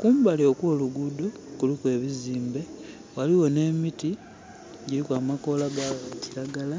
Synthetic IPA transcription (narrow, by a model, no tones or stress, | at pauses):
kuːmbaleokwo̞ːluɡudukulikwe̞ːβiziːmbe̞ | waliwo̞ne̞ːmiti | ɟiɾikwaːmako̞laɡaaciɾaɡala